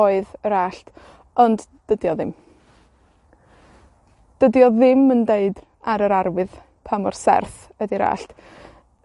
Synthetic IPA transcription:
ɔɨðəɾaːɬt | ɔndd̥ədjɔðɪm | d̥ədjɔðɪməndeɨd | aɾəɾaɾwɨð | pʰamɔrsɛ̰rθ | ədiɾa̰ːɬt

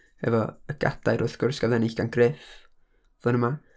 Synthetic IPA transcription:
hɛ̰vɔəɡ̥a̰d̥ajɾʊθɡ̥ʊrsɡ̥aðɛnɪɬɡ̥anɡ̥reːf | v̥ʊnəma

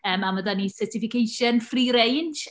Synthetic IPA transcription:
əːmaməðanisətʰɪfɪkʰejʃənfriɾejnʃ

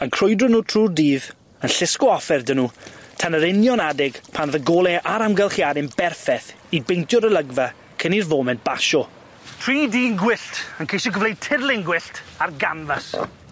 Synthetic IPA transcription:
ənkʰr̥ʊjdrʊnuːtʰruːrdiːð | ənɬɪskɔɔfɛrdənuːtʰanəɾɪnjɔnadɪɡ̥pʰanðəɡoːlˠɛʔaɾamɡəlˠχjadɪnbɛrfɛθ | ibejntʰjɔɾəlˠəɡva | kʰənirvoːmɛnt̚b̥aʃɔ | tʰr̥iːdiːŋɡwɪɬtʰənkʰejʃɔɡəvlejd̚tʰɪrlˠɪŋɡwɪɬtʰarɡanvas

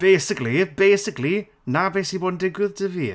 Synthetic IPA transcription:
b̥ejsɪklˠibejsɪkli | nabesiboːdn̩dɪɡwɪðdəvi

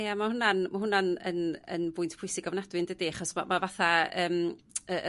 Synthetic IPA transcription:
ejamahʊnanmaɦʊnanə̰nə̰nbʊɨntʰpʰʊɨsɪɡɔvnadwɪndədiaχɔsmamavaθaəːmə

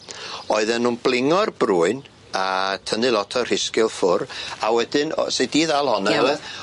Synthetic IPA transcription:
ɔɨðɛnːuːnb̥lˠɪŋɔrb̥ruːɨn | atʰənɨlˠɔtʰɔr̥ɪskɪlˠfʊrawɛdɪn̰sediːðalˠhɔnɛɛlˠɛð

